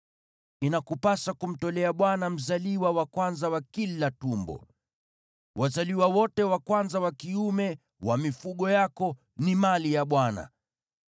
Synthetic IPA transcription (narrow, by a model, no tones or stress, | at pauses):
inakupasakum̩tɔlɛaɓwanam̩zaliwawakwanzawakilatumbɔ̰ | wʔazaliwawɔtɛwakwanzawakiumɛ | wamifuɠɔjakɔ | nimalijaɓwana̰